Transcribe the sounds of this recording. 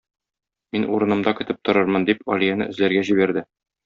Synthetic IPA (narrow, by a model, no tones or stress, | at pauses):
minʔuɾɤ̆nɤ̆md̪ɑkɘ̆t̪ɘp̚t̪ŏɾɤɾmɤnd̪ipɒlʲijænɘ̰ʔɵ̆zlæɾɡæʑiβæɾd̪ɘ